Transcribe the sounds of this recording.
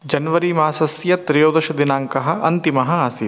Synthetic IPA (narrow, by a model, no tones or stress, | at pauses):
d͡ʒɐnʋɐɾimaːsɐsjɐt̪ɾijoːd̪ɐʃɐd̪ɪnaːŋkɐɦɐ̆ʔɐnt̪imɐɦɐaːsi